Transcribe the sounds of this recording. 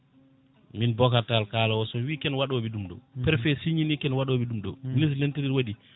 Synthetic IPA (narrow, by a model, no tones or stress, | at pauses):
minbɔkatalkalawɔsɔwikɛnwaɗoɓidumɗɔ̰pɛɾfɛsiɲinikɛnwaɗoɓidumɗɔ̰minis̬lentiɾiɾwaɗi